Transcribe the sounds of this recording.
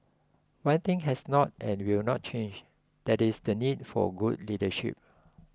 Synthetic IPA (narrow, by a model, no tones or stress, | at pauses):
wãnt̪ɪ̃ŋɦɛsnɔt̚ʔɛ̃nwilnɔt̚t͡ʃʰẽnd͡ʒ | d̥ɛtisdənid̚fɔ̰ɡudlidəʃḭp̚